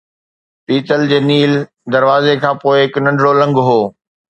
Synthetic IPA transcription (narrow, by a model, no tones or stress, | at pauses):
p̪iːt͡ɕəld͡ʑeːniːl | d̪ɐɾʋaːzekʰãːpoːɪɦɪknɐ̃ɳɖɽolɐ̃ŋɡɦoː